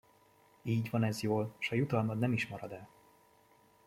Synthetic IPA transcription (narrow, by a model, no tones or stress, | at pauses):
iːɟvɒnɛzjoːlʃɒjut̪ɒlmɒd̪nɛmiʃmɒɾɒd̪ɛl